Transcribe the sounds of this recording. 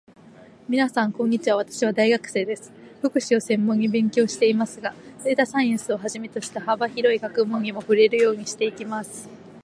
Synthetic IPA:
mʲinasãŋkõ̞ɲ̟ːit͡ɕiβaβ̞at̪ḁɕiβ̞ad̪aiɡakɯ̟̥se̞ːd̪e̞sɨ̥ɸɯ̟kɯ̟ɕio̞sẽ̞mːõ̞ɲːibẽ̞ŋkʲo̞ːɕi̥t̪e̞imasɨɡazeit̪asãĩɰsɨo̞ɦaʑime̞t̪o̞ɕi̥t̪ahabaçiɾo̞ikakɯ̟mõ̞ɲːimo̞ɸɯ̟ɾe̞ɾɯ̟jo̞ːɲ̟iɕi̥t̪e̞ikʲimasɨ̥

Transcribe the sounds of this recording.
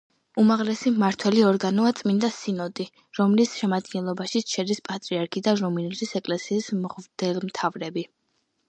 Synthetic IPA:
umaʁlɛsimaɾt̪ʰwɛliɔɾɡanɔat̪sʼmind̪asinɔt̪ʼi | ɾɔmlisʃɛmad̪ɡɛnlˠɔbaʃiʃʰɛd̪ispʼat̪ʼɾiaɾkʰid̪aɾɔminɛlisɛkʼlɛsiːsmʁd̪̥ɛlmt̪ʰavɾɛbi

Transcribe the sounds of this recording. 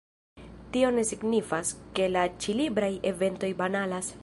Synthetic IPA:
tio̞ne̞siɡnifaske̞lat͡ʃilibɾaje̞ve̞nto̞jbanalas

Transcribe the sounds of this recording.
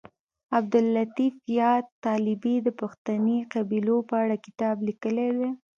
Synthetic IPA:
ab̚d̪ʊlːat̪ifjɑt̪ːɑlɪbid̪əpaxt̪aniqabilopəaɽakɪ̥t̪ɑblikəlewe

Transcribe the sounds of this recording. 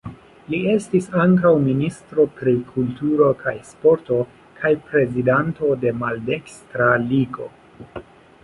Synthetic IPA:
lie̞stisaŋkawministɾo̞pɾikʰultuɾo̞kʰajspo̞ɾto̞ | kʰajpɾe̞zidanto̞de̞malde̞kstɾaliɡo̞

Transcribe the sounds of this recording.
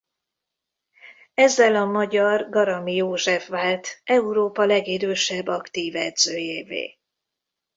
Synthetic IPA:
ɛzːɛlɒmɒɟɒrɡɒɾɒmijoːʒɛfʋaːlt̪ʔɛuɾoːpɒlɛɡid̪øːʃɛbːɒkt̪iːvɛd̪zøːjeːvḛː

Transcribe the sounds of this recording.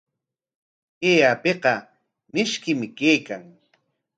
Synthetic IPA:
eːapeqɑ | mɪʃkɪmɪkeːkaŋ

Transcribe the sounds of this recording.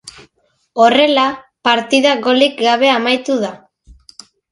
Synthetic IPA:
o̞re̞lapaɾt̪iðaɣo̞likɡaβ̞e̞amajt̪uða

